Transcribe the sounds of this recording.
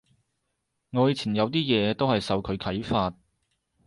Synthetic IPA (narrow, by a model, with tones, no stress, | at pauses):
ŋɔː˧jiː˨˧t͡sʰiː˨˩njɐ˨˧wt̪iː˥jɛː˨˧t̪o˥whɐ˨jsɐ˨wkʰɵ˨˧ɥkʰɐ˨˥jfaː˧t̚